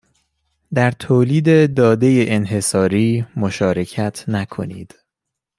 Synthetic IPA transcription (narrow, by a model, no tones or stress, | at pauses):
d̪æɾt̪ʰoːliːd̪e̞d̪ɒːd̪e̞jeʔenɦe̞sɒːɾiːmoʃɒːɾe̞cʰæt̪ʰnækʰo̞̰nḭːd̪̥